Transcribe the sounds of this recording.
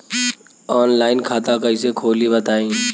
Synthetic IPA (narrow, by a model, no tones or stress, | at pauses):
ɔːnlaːɪnkʰaːt̪akɐisekʰoːlibət̪aːĩː